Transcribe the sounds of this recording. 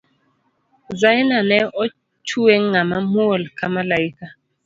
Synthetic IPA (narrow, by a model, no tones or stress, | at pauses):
zainanɛɔ | t͡ʃuɛŋŋamamuolkamalaika